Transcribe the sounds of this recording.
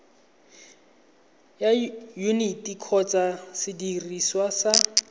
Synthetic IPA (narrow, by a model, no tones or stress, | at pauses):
jajunitikʰɔt͡sʼasɪdiriswasa